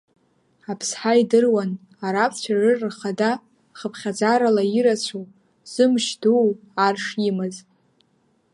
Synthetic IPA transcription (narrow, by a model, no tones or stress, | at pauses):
apʰsħaidɨrwan | aɾapʰt͡ɕʷʰarɨrχada | χəpʰχʲad͡zaɾalaiɾat͡ɕʷʰo | z̥ɨmʃduw | arʂimɨz